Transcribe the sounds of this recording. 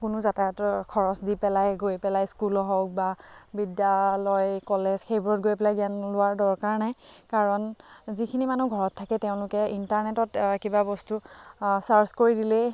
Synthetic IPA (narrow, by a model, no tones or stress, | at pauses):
kʊnʊzataɔtkʰɔɹɔsdipɛlajɡojpɛlajskulɔɦɔk̚babidjalɔjkɔlezxejbɹɔt̚ɡojpɛlaɡianlʊaɹdɔɹkaɹnajkaɹɔnzikʰinimanuɡʱɔɹɔtʰːakɛteʊ̃lʊkɛintaɹnɛtɔtkibabɔstusaɹskoɹidilɛ